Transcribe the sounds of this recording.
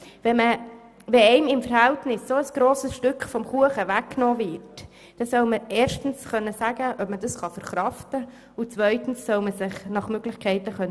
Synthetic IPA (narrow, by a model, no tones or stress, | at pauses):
ʋɛmə | ʋɛɛɪmɪmfəɾhæltnɪsːoəsɡ̥ɾoːsəsʃtʏkχfɔmχuəχəʋækːnɔːvɪɾt | d̥ɛsœʊməɛːɾʃtn̩sχœnːəsæɡəʔœpmədɑsχɑfəɾχɾɑftə | ʊt͡sʋœʏtn̩sːœʊməsɪχnɑχmøɡ̥lɪçkʰɛɪtəχœnː